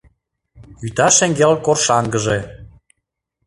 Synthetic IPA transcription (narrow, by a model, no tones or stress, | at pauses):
yt̪ɑʃeŋɡelkorʃɑŋɡəʒe